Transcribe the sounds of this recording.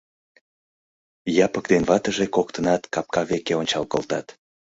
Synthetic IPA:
jɑpək̚d̪enβɑt̪əʒekok̚t̪ənɑt̪kɑp̚kɑβekeonʲt͡ɕɑlkə̰lt̪ɑt̪

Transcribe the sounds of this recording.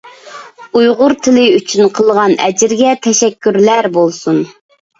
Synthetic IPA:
ujʁʊɾt̪ʰɪlɪyt͡ʃʰynqʰəlˠʁɑnɛd͡ʒɪɾɡʲɛt̪ʰɛʃɛkʲːyɾlæɾbolˠsun

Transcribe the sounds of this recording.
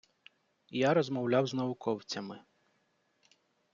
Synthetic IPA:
jaɾɔzmɔwlʲawznɐʋʊkʰɔwt͡sʲɐmɪ

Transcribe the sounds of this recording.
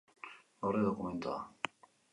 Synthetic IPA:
ɡowɾeðokument̪oa

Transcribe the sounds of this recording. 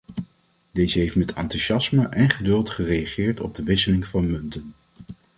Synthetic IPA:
d̥ejzəɦejftmɛtʰɑ̰ntyʃɑsməʔɛnχədɵlˠtχərejɑχɪːɹtɔ̰b̚dəʋɪsəlɪŋvɑnmɵntən

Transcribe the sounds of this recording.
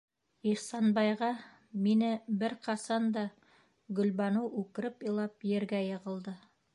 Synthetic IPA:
iχsɑnbɑjʁɑ | minɘbɘɾqɑsɑnd̪ɑ | ɡɵ̆lβɑnɤwʉkɘ̆ɾɘpɤ̆lˠɑpjɘ̆ɾɡæjɤ̆ʁɤ̆lˠd̪ɤ

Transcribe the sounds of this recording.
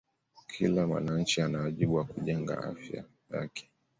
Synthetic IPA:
kʰilamwa̰naɲ̩t͡ʃianawaʄiɓuwakuʄɛŋɡa̰ʔa̰fja̰ | ja̰kʰɛ̥

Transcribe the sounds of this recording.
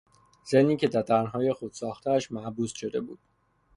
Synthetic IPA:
zemnːiːcʰe̞d̪æɾd̪æɾnɦɒːje̞xod̪̥sɒːxt̪ʰææʃmæbuːsʃo̞d̪e̞̰bṵːd̪̥

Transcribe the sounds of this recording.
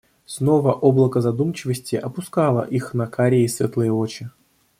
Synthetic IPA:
sno̞vəʔoblˠəkəzɐd̪umt͡ɕɪvəsʲtʲɪʔɐpʊskɑlˠə̰ʔixnɐkaɾʲɪːsvʲet̪lˠɨjəot͡ɕɪ

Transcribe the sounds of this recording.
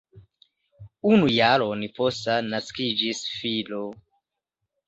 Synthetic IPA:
unujaɾoniposanaskid͡ʒisfilo

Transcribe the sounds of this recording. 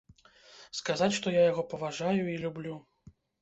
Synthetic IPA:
skazat͡sʲʂt̪ɔjajaɣɔpɐvaʐajuilʲublʲu

